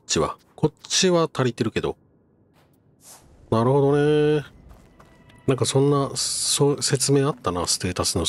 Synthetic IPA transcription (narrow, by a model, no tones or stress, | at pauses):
t͡ɕiβa̰ | kʰo̞t͡ɕiβat̪ʰaɾʲit̪e̞ɾɯ̟ke̞d̪o̞̰ | naɾɯ̟ho̞d̪o̞ne̞ | nãŋkasõ̞nːasose̞t͡sɨme̞ːat̪ːanasɨ̥t̪eːt̪asɨno̞